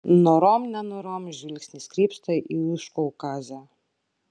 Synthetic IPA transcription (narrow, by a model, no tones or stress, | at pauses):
nɔɾɔmnanɔɾɔmʒilʲksʲnʲiskɾipst̪ɔjʔiuʃkɔwkaza